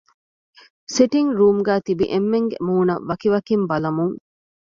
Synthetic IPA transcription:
seʈiŋɾuːmɡæːt̪ibḭʔemːeŋɡḛmuːnɐ̰ʋɐkiʋɐkimbɐlɐmuŋ

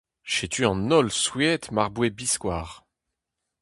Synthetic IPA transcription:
ʃet̪ʰyɑ̃nɔlswiɛt̪maʁbwebiskwaːʁ

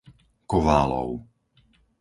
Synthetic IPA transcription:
kɔʋaːlɔ̰ʊ

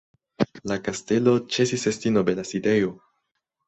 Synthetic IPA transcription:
lakaste̞lo̞t͡ʃe̞sisestino̞belaside̞jo̞

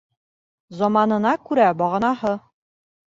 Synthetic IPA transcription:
zɒmɑnɤ̆nɑkʉɾæbɒʁɤ̆nɑhɤ

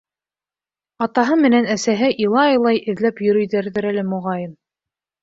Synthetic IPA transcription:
ɑt̪ɑɦɤmɘ̆nænæsæɦɘʔilˠɑɑjlˠɑjʔɘ̆ðlæpjɵ̆ɾɵ̆jðæɾðɘɾælɘmŏʁɑjɤn

